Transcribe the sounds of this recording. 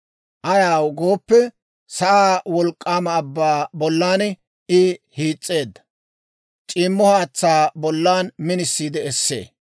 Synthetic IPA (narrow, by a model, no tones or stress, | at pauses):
ʔɐjaːwɡo̞ːpːɛ | sɐʔaːwɔlkʼːaːmɐːbːaːbɔlːaːn | ɪhiːt͡sʼːeːd̪ːɐ̥ | t͡ʃʼɪːmːɔhaːt͡sːaːbɔlːaːnmɪnɪsːiːd̪ɛɛsːḛː